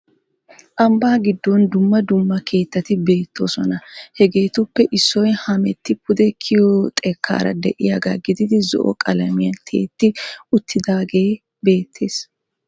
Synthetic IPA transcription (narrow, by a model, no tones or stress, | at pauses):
ʔɐmbaːɡɪd̪ːɔnd̪ʊmːɐd̪ʊmːɐkʰe̞ːt̪ːɐt̪ɪbe̞ːt̪ʰːo̰ːsɔnɐhɛɡe̞ːt̪ʊpːɛʔɪsːɔjhɐmɛt̪ːɪpʊd̪ɛkʰɪjɔt̪ʼɛkʰːa̰ːɾɐ̰d̪ɛ̰ʔɪjaːɡaɡɪd̪ɪd̪ɪzɔ̰ʔɔ̰kʼɐlɐmɪjɐnt̪ʰe̞̰ːt̪ːɪʔʊt̪ːɪd̪aːɡe̞ː | be̞ːt̪ʰːe̞ːs